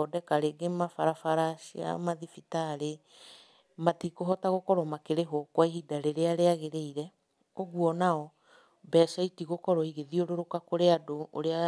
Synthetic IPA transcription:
ɔdɛkaɾeɡemafaɾafaɾaʃia̰maðifitaɾe | matikoɦɔtaɣokɔɾɔmakeɾeɦokwaihidaɾeɾeaɾeaɣeɾeiɾɛ | oɣuɔnaɔ | bɛːsaitiɣokɔɾɔiɣeðioɾoɾokakoɾeadoo̰ɾea

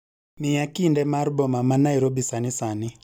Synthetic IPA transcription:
mɪjakindɛmarbɔmamanajɾobisanɪsanɪ

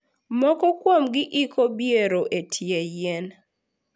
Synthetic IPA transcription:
mɔkɔkwomɡɪʔɪkʰobjeɾoʔetʰjejen

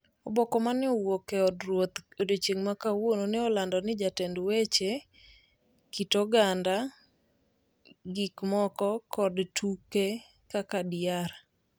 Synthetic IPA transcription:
ɔbɔkɔmanɪɔwokɛɔdɾwot̪odot͡ʃeŋmakawononɪɔlandɔnɪd͡ʒatɛndwet͡ʃe | kitɔɡanda | ɡikmɔkɔkɔdtʰuke | kakadɪaɾ

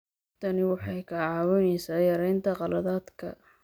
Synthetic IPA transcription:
t̪ʰɐnɪwɑħɑjkʰɐʕɑːwɔnɛjsaːjɐɾɛjnt̪ʰɐqɑlɐðaːd̪kʰɐ̰

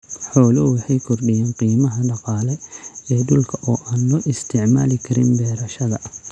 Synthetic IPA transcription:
ħɔːlɔwɑħɑjkʰɔrɖɪjaːnqiːmɐɦɐɖɑqɑːlɛɛːɖʊlkʰɐʔɔːʔaːnlɔːʔɪst̪ʰɪʕmaːlɪkʰɐɾɪ̰nbɛːɾɐʃɐðɐ

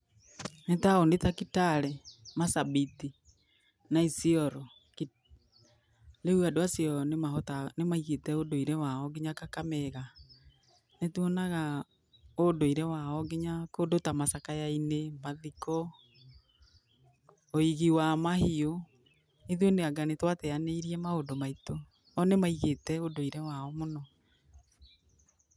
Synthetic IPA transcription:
netaonetakitaɾɛmasaβiti | naisiɔɾɔ | ki | leuadoasiɔnemaɦotanemaiɣetɛodoiɾɛwaɔɡeɲakakamɛɣa | netuɔnaɣa | odoiɾɛwaɔɡeɲakodotamasakajainemaðikɔ | oiɣiwamahio | iðoneaɡanetwatɛaneiɾiɛmaodomaito | ɔnemaiɣetɛodoiɾɛwaɔmonɔ

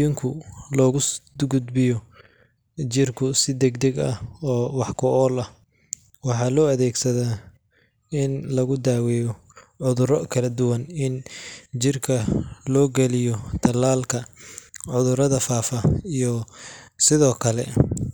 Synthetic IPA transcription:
ɪŋkʰʊlɔːɣʊɡʊd̪bɪjɔ | t͡ʃɪrkʰʊsɪd̪ɛɡd̪ɛɡɐhɔːwɑħkʰʊʔɔːlɐh | wɑħɑːlɔːɐðɛːɡsɐðaː | ɪnlɐɣʊd̪aːwɛːjɔ | ʕʊðʊɾɔkʰɐlɐd̪ʊwɐnɪnt͡ʃɪrkʰɐlɔːɡɛlɪjɔt̪ʰɐlaːlkʰɐʕʊðʊɾɐðɐfaːfɐijɔsɪðɔːkʰɐlɛ̰

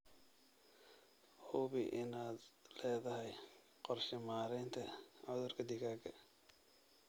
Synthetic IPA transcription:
hʊβɪʔɪnaːd̪lɛːðɐɦɛj | qɔrʃɪmaːɾɛnt̪ʰɐʕʊðʊrkʰɐd̪ɪɣaːɡɐ

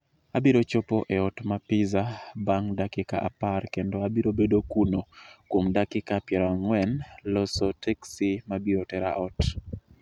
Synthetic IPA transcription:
abiɾot͡ʃopoʔeɔtmapɪzabaŋdakɪkaʔa̰parkendoabiɾobedokunokwomdakɪkapjɛɾɔaŋwɛnlɔsotɛksimabiotɛɾa̰ʔɔt

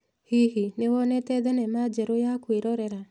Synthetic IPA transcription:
hihinewɔnɛt̪ɛd̪ɛnɛmad͡ʒeɾojakweɾɔɾɛɾa

